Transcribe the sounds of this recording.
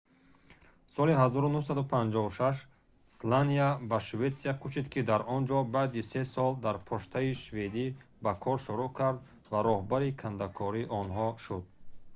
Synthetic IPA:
sɔliɦazɔɾunuhsad̪upʰand͡ʒɔuʃaʃ̬ | slaniabaʃvet̪siakʰut͡ʃid̪kʰid̪aɾʔɔnd͡ʒɔbad̪isesɔld̪aɾpʰɔʃt̪ʰaiʃved̪i | bakʰɔɾʃuɾukʰaɾd̪ | vaɾɔhbaɾikʰand̪akʰɔɾiʔɔnɦɔʃud̪̚

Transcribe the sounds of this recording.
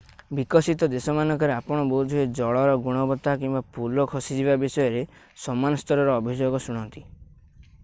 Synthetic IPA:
bikɔsit̪ɔd̪esɔmanɔŋkɔɾeapɔɽ̃ɔboud̪ʱued͡ʒɔɭɔɾɔɡuɽ̃ɔbɔt̪akimbapulɔkʰɔsid͡ʒibabisɔjɔɾe | sɔmanɔst̪ɔɾɔɾɔːbʱid͡ʒoɡɔsuɽ̃ɔnt̪i̥

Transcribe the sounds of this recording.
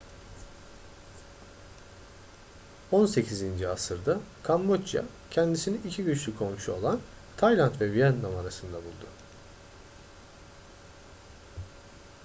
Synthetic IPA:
o̞nse̞cʰizind͡ʒiasɯɾd̪akʰambot͡ʃja̰ | cʰɛnd̪isiniicʰiɟyt͡ʃlʲykʰo̞mʃuo̞lˠan | t̪ʰajlʲˠant̪vɛvijanlamaɾasɯnd̪abulˠd̪u

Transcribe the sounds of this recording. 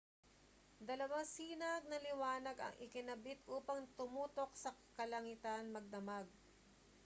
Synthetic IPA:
d̪ɐlɐwaŋsiːnɐɡ̚nɐlɪwaːnɐɡɐ̰ŋʔɪkɪnɐbɪt̪ʔuːpɐŋt̪ʊmuːt̪o̞k̚sɐkɐlɐŋɪt̪anmɐɡ̚d̪ɐmaɡ̚

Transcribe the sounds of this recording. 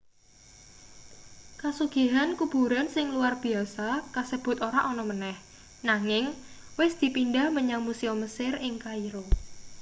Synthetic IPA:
kasuɡ̥i̤ɦankub̥uɾansɪŋluarb̥i̤asakasəb̥ʊ̤t̪oɾaʔɔnɔmənɛh | naŋɪŋwɪsd̪̥i̤pinɖahməɲawmusiɔməsɪrɪŋkaiɾo

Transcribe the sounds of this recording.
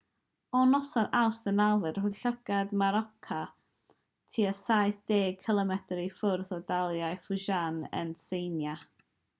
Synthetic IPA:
ɔnɔsɔnawsdənavɨrhʊɬəɡ̥admaɾɔkʰa | tʰiːəsajθd̥eːɡ̚kʰɪlˠɔmɛtɾifʊrθɔdalˠjajfʊʒanə̰nsejnja

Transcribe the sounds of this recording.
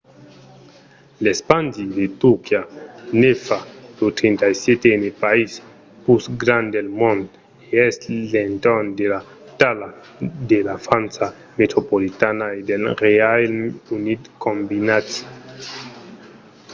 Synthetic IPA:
lespandidet̪ukianefadut̪ɾintaset̪enepais | pusɡɾandelmond | eslentondela | tala | delafant͡sa | met̪ɾopolitanajdelɾealunidkombinat͡si̥

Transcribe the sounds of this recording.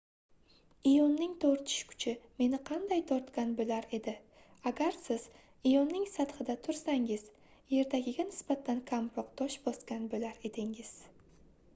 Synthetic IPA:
ɪjɒnːɪŋt̪ʰoɾt̪ʰɪ̥ʃkʰʊ̥t͡ʃʰɪme̞nɪqʰɑnd̪ajt̪ʰɒɾt̪kʲanbolaɾe̞d̪ɪ | aɡʲaɾsɪz̥ | ɪjɒnːɪŋsat̪χɨd̪at̪ʰʊɾsaŋɪz | je̞ɾt̪ʰaɡʲɪɡʲanɪsbat̪ʰːankʲʰampɒq̚t̪ʰɒʃbɒskʲanbolaɾe̞d̪ɪŋɪz̥

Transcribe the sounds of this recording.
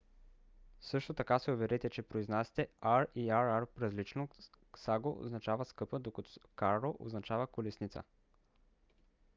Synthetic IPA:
sɤʃt̪ot̪ɐkasɛovɛɾɛt̪ɛt͡ʃɛpɾoiznasi̥t̪ɛaɾiaɾaɾpɾɐzlit͡ʃno | saɡoo̰znɐt͡ʃavəskɤpəd̪okət̪okaɾlˠoʔo̰znɐt͡ʃavəkolɛsnit̪sə̰

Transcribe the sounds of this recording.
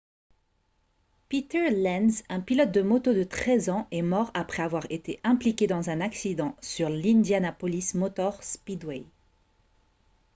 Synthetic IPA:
pit̪ɛʁlɛnzɛ̃pilɔt̪̚d̪əmot̪od̪ət̪χɛzɑ̃ɛmɔʁapχɛavwaʁet̪eʔɛ̃plikʲed̪ɑ̃zɛ̃naksid̪ɑ̃syʁlĩnd̪janapɔlismɔt̪ɔʁspid̪wɛj

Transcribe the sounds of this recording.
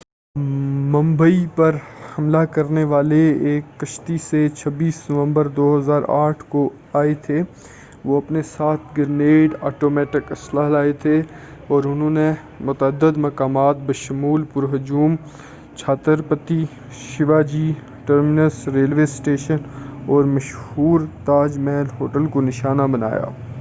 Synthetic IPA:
mɐ̃mbəipɐɾhɐmlakɐɾneʋaːleeːkːɐʃt̪iset͡ʃʰɐbiːsnɐʋə̃mbəɾd̪oːɦɐzaːɾa̰ːʈʰko | aːet̪ʰe | ʋoɐpnesaːt̪ʰɡɪɾneːɖaːʈoːmɛːʈɪkɐslaɦlaːet̪ʰe | ɔːɾʊnɦõne | mʊt̪əd̪ːəd̪mɐkaːmaːt̪̚bɐʃʊmuːlpʊɾɦɐd͡ʒuːm | t͡ʃʰaːt̪əɾpət̪i | ʃɪʋaːd͡ʒiː | ʈəɾmɪnəsɾeːlʋeːsʈeːʃənɔːɾmɐʃhuːɾt̪aːd͡ʒmɛːnɦoːʈəlkonɪʃaːnabɐna̰ːja̰ː

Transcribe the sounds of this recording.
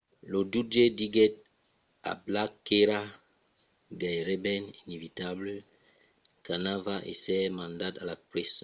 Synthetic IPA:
lodudediɡɛt̚ | a̰blakeɾa | ɡajʁebɛninevitabl | kanavaʔḛsɛmãndatalapʁɛs

